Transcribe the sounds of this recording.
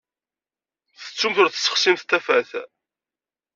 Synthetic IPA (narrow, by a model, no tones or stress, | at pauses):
θə̥t͡sːumθʊɾθə̥sːə̥χsimθt̪ːæfæθ